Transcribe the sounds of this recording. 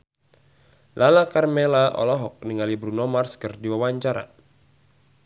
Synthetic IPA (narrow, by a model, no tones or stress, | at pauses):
lalakarmelaʔɔ̰lɔɦɔk̚niŋalibɾunɔmarskɨrdiwawaɲt͡ʃaɾa̰